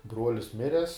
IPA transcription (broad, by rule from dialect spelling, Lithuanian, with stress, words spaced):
ˈbruɔlʲɪs ˈmʲɪrʲɛs